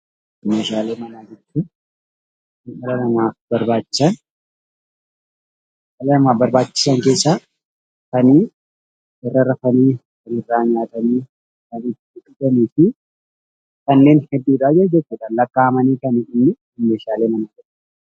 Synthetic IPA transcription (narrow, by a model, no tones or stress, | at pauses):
ɪmeːʃaːle̞ːmɐnaːd͡ʒɪɾt̪ːʊ | ɪnɪɾɐlɐmaːfbɐɾbaːt͡ʃːɪ̥sɐn | ʔɐlɐnɐmaːbɐɾbaːt͡ʃːɪ̥sɐŋke̞ːsːaː | kɐniː | ɪrːɐrɐfɐniː | kɐnɪrːaːɲaːt̪ɐniː | kɐniːt̪ːɪɪkɪdɐniːfɪ | kɐnːe̞ːnhɛd̪ːiːᶑaːd͡ʒɛd͡ʒɛt͡ʃːuːᶑɐnlɐkːaːhɐmɐniːkɐniʔɪnːɪ | ʊmːeːʃaːle̞ːmɐnaːd͡ʒɪɾʊ